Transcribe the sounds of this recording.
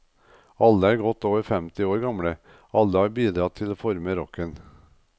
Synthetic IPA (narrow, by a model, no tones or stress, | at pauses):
ɑlːəæːɾɡɔt̪ːoːʋəɾfɛmt̪ɪoːɾɡɑmɽə | ɑlːəɑːɾbiːd̪ɾɑːt̪ʰɪloːfɔɾməɾɔkən